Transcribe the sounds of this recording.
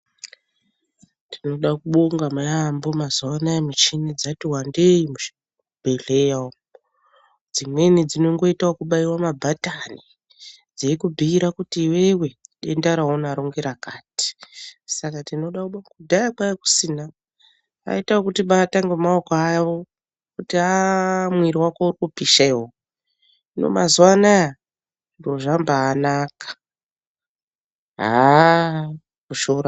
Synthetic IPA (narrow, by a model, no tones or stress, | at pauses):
ndino̞ɗakuɓoŋɡamajambo̞mazowanaemit͡ʃinid͡zatiwande̞imui̥ | ubʱe̞ɮe̞jao | d͡zimwe̞nid͡zino̞ŋɡo̞itaokuɓaiwamabʱatani | d͡zeikubʱiːɾakutiːwewe̞ɗendaɾaɦonaɾoŋɡeɾakaːti̥sakatino̞ɗauɓakudʱajakwajeku̥siːna | a̰itawokutiɓataŋɡemaokoaʋo̞ | kutiamwiɾiwakourikupiʃaeɦo | no̞̰mazuwanaja | ndoʐambaːnaːkḁ | ɦa | kuʃoɾa